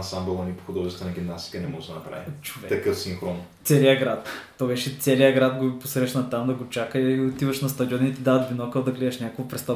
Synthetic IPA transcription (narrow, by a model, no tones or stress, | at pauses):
nsambɛlˠɐnipo̥xʊd̪ɔʒɛst̪vɐnɐɡʲimnast̪i̥kənɛmɔʒd̪ɐnɐpɾa̰vit͡ʃo̥vɛt̪ɐkɤfsinxɾɔnt̪sɛlijəɡɾat̪ː | ɔbɛʃɛt̪sɛlijəɡɾat̪ɡoiposɾɛʃnɐt̪amd̪ɐɡot͡ʃakəiot̪ivɐʃnɐst̪ɐd̪iɔnit̪id̪avɐt̪binɔkəd̪ɐɡlɛd̪ɛʃnʲakəkvɐpɾɛst̪a